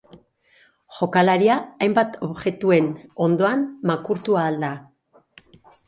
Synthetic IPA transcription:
ʝo̞kalaɾiaːjmbat̪ʰo̞βʝe̞t̪ue̞no̞nd̪o̞anmakuɾt̪uaːld̪a

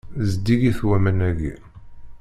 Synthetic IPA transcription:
zd̪iɡiθwæmənæɡḭ

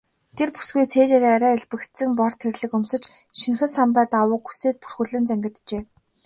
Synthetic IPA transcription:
t̪ʰerpu̥sɡujt͡sʰeːt͡ɕeɾaɾæːiɮpɘ̆kt̪sɘ̆ŋpɔr̥t̪ʰxerɮɘ̆kɵmsɵ̆t͡ɕ | ʃinxɘ̆sampæːt̪awʊːkxu̥seːt̪̚pu̥rxɘ̆ɮɘ̆nt͡sæŋɡʲɪ̆t̪t͡ɕeː

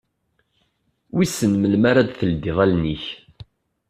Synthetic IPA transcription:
wisənməlmaɾad̪θəld̪iʁælniç

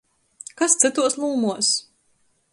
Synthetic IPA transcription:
kast̪sɨt̪uɔslˠuːmuɔs

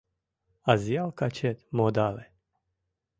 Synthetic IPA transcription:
azialkat͡ʃet̪mod̪ale

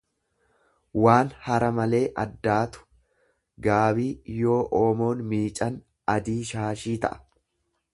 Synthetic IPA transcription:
waːnhɐɾɐmɐle̞ːʔɐ̰d̪ːaːt̪ʊ̥ | ɡaːbiːjo̞ːʔoːmo̞ːnmiːt͡ʃʼɐn | ɐd̪iːʃaːʃiːt̪ɐ̰ʔɐ̥

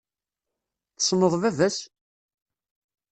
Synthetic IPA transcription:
θə̥sˤnəðˤvævæs

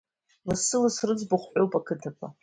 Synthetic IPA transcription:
lasɨlasrɨd͡zbaχʷħowpʼakʰɨtʰakʷʰa

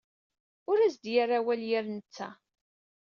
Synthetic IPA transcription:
ʊɾæzd̪jaɾawæljɪɾnət͡sːæ̰

